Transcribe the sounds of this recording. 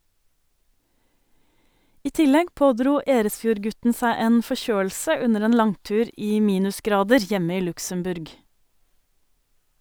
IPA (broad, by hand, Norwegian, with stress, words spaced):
ˈiː ˈtɪlɛɡ ˈpoːˌdɾuː ˈeːɾəsˌfjuːɾˌɡʉtn̩ ˈsæɪ ˈeːn fɔˈçøːl̩sə ˈʉnəɾ ˈeːn ˈlɑŋˌtʉːɾ ˈiː ˈmiːnʉsˌɡɾɑːdəɾ ˈjɛmə ˈiː ˈlʉksəmˌbʉɾɡ